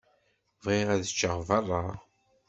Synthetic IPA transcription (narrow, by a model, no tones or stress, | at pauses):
vʁiʁæðət͡ʃːəʁvɑrˤːɑ